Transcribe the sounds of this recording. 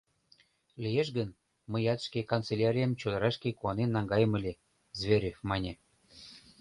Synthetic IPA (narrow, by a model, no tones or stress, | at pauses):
lʲijeʃɡən | məjɑt̪ʃkekont͡selʲaɾʲijɑmt͡ɕod̪ɑɾɑʃkekuɑnenːɑŋɡɑjəməlʲe | zβʲeɾʲefmɑnʲe